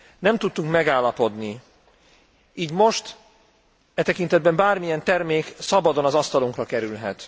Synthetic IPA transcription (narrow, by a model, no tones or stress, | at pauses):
nɛmt̪ut̪ːuŋkmɛɡaːlːɒpo̞d̪ni | iːɟmo̞ʃt̪ | ɛt̪ɛkint̪ɛd̪̚bɛmbaːrmijɛnt̪ɛrmeːksɒbɒd̪o̞nɒzɒst̪ɒloŋkrɒkɛɾylɦɛ̰t̪